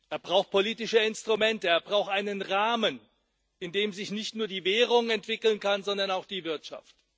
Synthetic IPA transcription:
ʔeːɐbʁaʊxt̚pʰoliːtɪʃəɪnstʁ̥umɛntəeːɐbʁaʊxtʔaɪnənʁaːmən | ʔɪndeːmzɪçnɪçtnuːɐdiːvɛːʁ̞ʊŋɛntv̥ɪkl̩nkanzɔndɐnaʊxd̥iːvɪɐtʃa̰ft

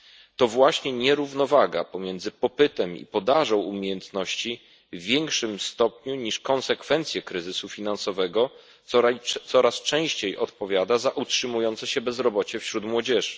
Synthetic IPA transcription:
t̪ɔvwaɕɲɛɲɛɾuvnɔvaɡapɔmʲjɛnd̪zɘpɔpɘt̪ɛmḭpɔd̪aʐɔ̃w̃umʲejɛnt̪nɔɕt͡ɕiː | jɛŋkʂɘmst̪ɔpɲuɲiʂkɔnsɛkfɛnt̪sʲjɛkɾɘzɘsufʲinansɔvɛɡɔ | ɔt̪sɔɾast͡ʂɛ̃w̃ɕt͡ɕejʔɔt̪pɔvʲjad̪azaʔutʂɘmujɔnt̪sɛɕɛbɛzɾɔbɔt͡ɕɛfɕɾut̪mwɔd͡ʑɛʐɘ

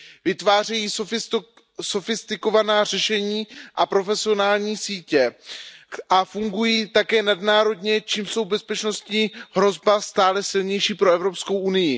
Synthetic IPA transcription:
vɪt̪vaːr̝ɛjiːf | so̞fɪst̪ɪko̞vanaːrɛʃɛɲiːʔapɾo̞fɛsɪo̞naːlɲiːsiːcɛ | ʔafuŋɡujiːt̪akɛːnadnaːɾo̞dɲɛt͡ʃiːmso̞wbɛspɛt͡ʃno̞st̪ɲiːɦɾo̞zbast̪aːlɛsɪlɲɛjʃiːpɾo̞ɛvɾo̞pskowʔunɪjɪ

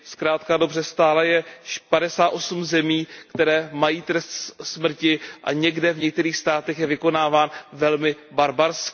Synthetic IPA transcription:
skɾaːt̪kadobrɛst̪aːlɛjɛʃpadɛsaːt̪ʔo̞sumzɛmiːkt̪ɛɾɛːmajiːt̪ɾɛst̪smr̩cɪʔaɲɛɡdɛvɲɛk̚t̪ɛɾiːxst̪aːt̪ɛxjɛvɪkonaːvaːnvɛlmɪ | baɾbaɾsk

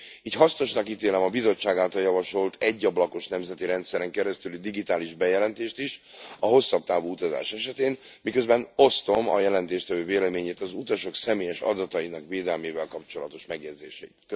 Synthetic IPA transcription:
iːcɦɒsno̞ʃnɒkiːt̪eːlɛmɒbizo̞t͡ʃːaːɡaːlt̪ɒljɒvɒʃo̞lt̪ʰɛɟːɒblɒko̞ʃnɛmzɛt̪iɾɛnt̪sɛɾɛŋkɛɾɛst̪ylid̪iɡit̪aːliʒbɛjɛlɛnt̪eːʃt̪iʃɒɦo̞sːɒb̚t̪aːvoːut̪ɒza̰ːʃɛʃɛt̪eːnmikø̞zbɛno̞st̪o̞mɒ̰jɛlɛnt̪eːʃt̪ɛvøːveːlɛmeːɲeːt̪ɒzut̪ɒʃo̞ksɛmeːjɛʃɒ̰d̪ɒt̪ɒjinɒkveːd̪ɛlmeːvɛlkɒpt͡ʃo̞lɒt̪o̞ʃmɛɡjɛd̪zḛːʃɛḭt̪kø

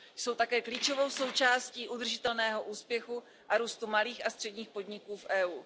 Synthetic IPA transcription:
jso̞wt̪akɛːkliːt͡ʃo̞vo̞wso̞wt͡ʃaːsciːʔud̪r̩ʒɪt̪ɛlnɛːɦo̞ʔuːspjɛxu | ʔaɾuːst̪umaliːxast̪r̥ɛdɲiːxpo̞d̪ɲɪkuːfʔɛːʔuː

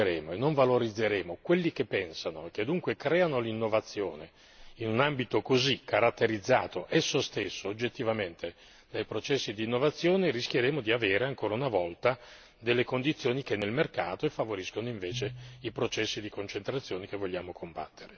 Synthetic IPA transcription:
ɾeːmoenːoɱvaloɾid̪zːeɾeːmokwelːik̟epːɛnsanoek̟ːed̪uŋkwekɾɛːanolinːovat̪sːjoːne | inunambit̪okozikːaɾat̪ːeɾid̪zːa̰ːt̪oʔɛsːost̪esːood͡ʒːet̪ːivament̪ʰe | d̪ajpɾot͡ʃɛsːid̪iːnːovat̪sːjoːnerisk̟jeɾeːmod̪iaveːɾeaŋkoːɾaunavɔlt̪a | d̪elːekond̪it̪sːjoːnikenːelmerkaːt̪oefːavoɾiskonoiɱveːt͡ʃeipɾot͡ʃɛsːid̪ikont͡ʃent̪ɾat̪sːjoːnek̟evːoʎːaːmokʰomba̰t̪ːeɾe

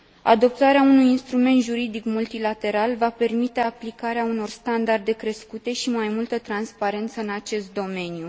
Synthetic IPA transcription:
a̰d̪o̞p̚t̪aɾeaunujinst̪ɾume̞nt̪ʒuɾid̪ikmult̪ilat̪e̞ɾalvape̞rmit̪e̞aplikaɾeauno̞rst̪and̪ard̪e̞kɾe̞skut̪e̞ʃimajmult̪ət̪ɾanspaɾe̞nt̪səɨnat͡ʃe̞st̪̚d̪o̞me̞nju

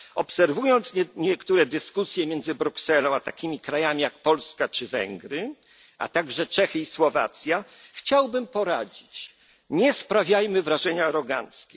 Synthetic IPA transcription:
ɔpsɛɾvujɔnt̪sɲɛkt̪uɾɛd̪ɘskusʲjɛmʲjɛnd̪zɘbɾuksɛlɔ̃w̃at̪akʲimʲikɾajamʲijak̚pɔlskat͡ʂɘvɛ̰ŋɡɾɘ | a̰t̪aɡʐɛt͡ʂɛxɘiswɔva̰t̪sʲja | xt͡ɕawbɘmpɔɾad͡ʑit͡ɕ | ɲɛspɾavʲjajmɘvɾaʐɛɲaːɾɔɡa̰nskʲɛ

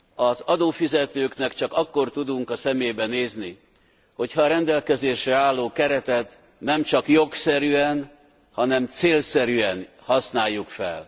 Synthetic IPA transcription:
ɒzɒd̪oːfizɛt̪øːknɛkt͡ʃɒkɒkːo̞rt̪ud̪uŋkɒsɛmeːbɛneːzni | ho̞chɒːɾɛnd̪ɛlkɛzeːʃɛaːlːoːkɛɾɛt̪ɛt̪ | nɛmt͡ʃɒkjo̞ksɛɾyɛn | hɒnɛmt̪seːlsɛɾyɛn | hɒsnaːjːukfɛ̰l

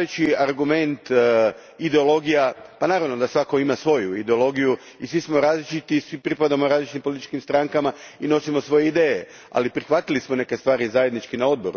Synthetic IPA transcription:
et͡ʃiaɾɡume̞nt̪ | id̪e̞olˠo̞ɡijapanaːɾaʋnod̪asʋako̞imasʋo̞juid̪eo̞lo̞ɡiju | isʋismo̞ɾaːzlit͡ʃit̪isʋipɾipad̪amoɾaːzlit͡ʃit̪impolit̪i̥t͡ʃkimst̪ɾaŋkamaino̞simo̞sʋo̞jeid̪eːje | a̰lipɾixʋat̪ilismo̞ne̞ke̞st̪ʋaːɾizaje̞d̪nit͡ʃkinao̞d̪̚bo̞̰ɾṵ

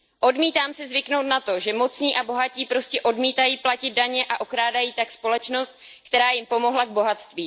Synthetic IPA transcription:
ʔo̞dmiːt̪aːmsɪzvɪkno̞wt̪nat̪o̞ʒɛmo̞t͡sɲiːʔaboɦaciːpɾo̞scɛʔo̞dmiːt̪ajiːplacɪd̪̚daɲɛʔaʔokɾaːdajiːt̪akspo̞lɛt͡ʃno̞st̪̚ | kt̪ɛɾaːjɪmpo̞mo̞ɦlaɡ̚bo̞ɦat̪st̪viː

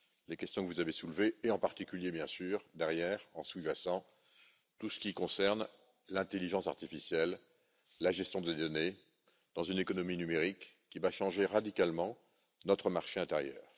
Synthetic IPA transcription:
lekʲɛst̪jɔ̃kəvuzavesulveːɑ̃paʁt̪ikʲyljebjɛ̃syːʁd̪ɛʁjɛːʁɑ̃suʒasɑ̃ | t̪usə̥kʲikɔ̃sɛʁn | lɛ̃t̪eliʒɑ̃sa̰ʁt̪ifisjɛlː | aʒɛst̪jɔ̃d̪əld̪ɔne | d̪̥ɑ̃zynekɔnɔminymeʁikː | ivaʃɑ̃ʒeʁad̪ikalmɑ̃ | nɔt̪χəmaʁʃeɛ̃t̪ɛʁjœ̰ːʁ

